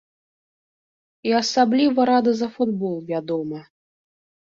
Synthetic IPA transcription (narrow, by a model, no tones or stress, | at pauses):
iɐsablʲivɐɾad̪ɐzɐfud̪bɔlˠvʲad̪ɔmɐ